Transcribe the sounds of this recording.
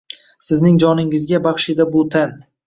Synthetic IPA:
sɪznɪŋd͡ʒɒnɪŋɪzɡʲabɑχʃɪd̪abʊt̪ʰan

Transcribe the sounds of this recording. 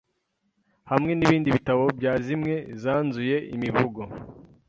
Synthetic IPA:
hamŋe̞niβiːndiβitaβo̞bjaːzimŋe̞zaːnzuje̞ḭmivuɡo

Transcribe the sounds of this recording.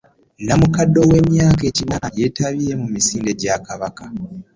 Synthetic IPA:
namukadːo̞we̞ːmjaːke̞cinaje̞taβiɾe̞mumisiːnde̞ɟakaβaka

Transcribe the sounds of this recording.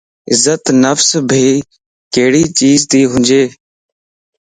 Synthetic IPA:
ɪzət̪nəfsbʱiː | keːɽiːt͡ʃiːzt̪iːɦʊ̃nd͡ʒeː

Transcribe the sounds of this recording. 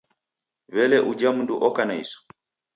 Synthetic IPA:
βɛlɛʔud͡ʒam̩nduʔɔkanaḭsɔ̥

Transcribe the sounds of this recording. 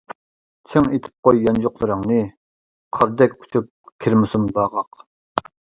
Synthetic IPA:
t͡ʃʰeŋet̪ʰɪ̥p̚qojːɑnd͡ʒoqlˠɨɾəŋnɨ | qʰəɾd̪ɛkʲʰːu̥t͡ʃʰyp̚kʲʰiɾmɪsumbɑːʁɑq

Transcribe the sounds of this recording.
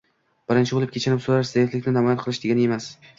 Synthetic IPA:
b̥ɪɾɪnt͡ʃʰɪbolɪpkʲʰet͡ʃʰɪɾɪpsoɾaɾɪzajɪt̪lɪkʲnɪnamɒjat̪qʰɨlˠɪʃd̪eɡʲane̞mas

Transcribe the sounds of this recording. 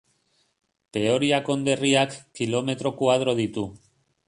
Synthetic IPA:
t̪e̞o̞ɾiako̞nd̪e̞riakːilo̞me̞t̪ɾo̞kuað̞ɾo̞ð̞it̪u

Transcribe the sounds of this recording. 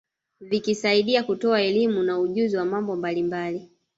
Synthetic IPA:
vikisaiɗiakutɔaɛlimunauʄuziwamambɔmbalimbali

